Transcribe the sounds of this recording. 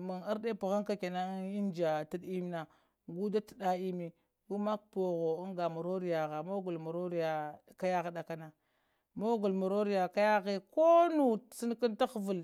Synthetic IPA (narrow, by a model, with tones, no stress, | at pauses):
ma˨ŋa˦ɾde˦pu˨ɣa˦ŋka˦ke˨na˦i˦nd͡ʒa˨ti˦di˦m˦na˨ | ɡu˦da˦ti˨da˦i˦mi˨ | u˦ma˦k̚po˨ɣo˨u˦ŋɡa˨mu˨ɾo˦ɾi˨ja˨ɣa˨mo˦ɡu˨lmu˨ɾo˦ɾi˦ja˨ka˦ja˦ɣɗa˨ka˦na˨ | mo˦ɡu˨lmu˨ɾo˦ɾi˦ja˨ka˦ja˦ɣe˦ko˦nu˨si˦n˦ki˦nta˦xvu˨l